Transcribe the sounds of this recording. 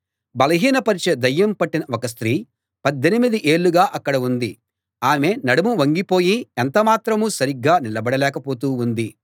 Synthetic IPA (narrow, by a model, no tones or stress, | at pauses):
bɐlɐɦiːnɐpɐɾit͡ʃed̪ɐjːɐmpɐʈːinɐɔkɐs̬t̪ɾiː | pɐd̪ːenimid̪iʔe̞ːɭːuɡaːʔɐkːɐɽɐund̪i | aːme̞ːnɐɽɐmuʋɐŋɡipo̞ːjient̪ɐmaːt̪ɾɐmuːsɐɾiɡːaːnilɐbɐɽɐlɛːkɐpo̞ːt̪uːnd̪i